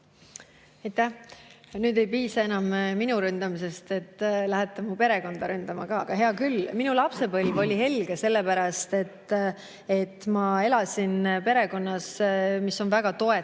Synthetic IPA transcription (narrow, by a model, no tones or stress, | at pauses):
ɑjt̪ːæhnyːd̪̥e̞jpiːsɑe̞nɑmminuɾynd̪̥ɑmis̬e̞st̪e̞t̪ːlæɦet̪ːˑɑmupe̞ɾe̞ko̞nd̪ɑɾynd̪̥ɑmɑkɑːɑɡ̥ɑɦe̞ɑkylminulɑpse̞bɤlʲvo̞lʲiɦe̞lɡ̥ese̞lːe̞pæɾɑst̪e̞t̪ː | et̪ːˑmɑe̞lɑsʲinpe̞ɾe̞ko̞nːɑsmiso̞nvæɡ̥ɑt̪o̞e